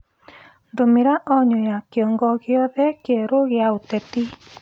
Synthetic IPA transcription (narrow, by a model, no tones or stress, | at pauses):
ndomiɾaʔɔɲojakjɔŋɡɔɣjɔðɛkeɾoɣjaotɛti